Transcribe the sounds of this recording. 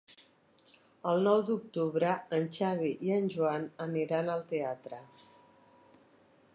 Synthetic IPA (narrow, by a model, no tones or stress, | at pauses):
əlˠnɔwd̪uk̚t̪uβɾəənʲt͡ʃaβiʔiənʲʒuanəniɾanəlˠt̪eat̪ɾə